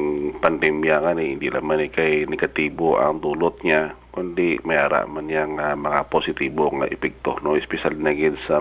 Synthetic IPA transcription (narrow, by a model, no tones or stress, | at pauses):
pand̪ɛmjaŋaneɪnd̪ilamanɛkajnɛɡat̪iːboʔa̰ŋd̪uːlot̪̚ɲakʊnd̪imajaːɾa̰ʔmanɲaŋamɐŋaposɪt̪iːboŋa̰ʔɛpɛk̚t̪o̰noɪspɛʃalnaɡɪnsa